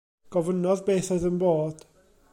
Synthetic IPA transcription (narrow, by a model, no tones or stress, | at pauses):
ɡ̥ɔvənɔðbeːθoɨðənboːd̥